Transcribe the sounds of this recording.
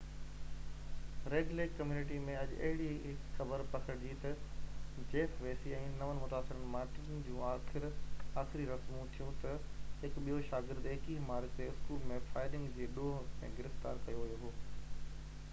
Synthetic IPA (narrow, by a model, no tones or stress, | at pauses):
ɾeːɖleːkkːɐmjuːnɪʈ̬imẽɐd͡ʑɐ̰ɦɪɽiɦɪkxɐbəɾpɐkʰəɾd͡ʑit̪ɐ | d͡ʑeːfʋeːsiɛ̃ːnɐʋənmʊt̪aːsɪɾənɪ̆maːɾʈɪnn̆d͡ʑũːaːxɪɾaːxɪɾiɾɐsmũt̪ʰijũt̪ɐɦɪkɓijoʃaːɡɪɾd̪eɪkiːmaːɾkt̪eːɪskuːlmẽfaːɪɾɪ̃ŋɡd͡ʑeːɗoːɦḛ̃ːɡɪɾɪft̪a̰ːɾkɐjoɦɐjoɦoː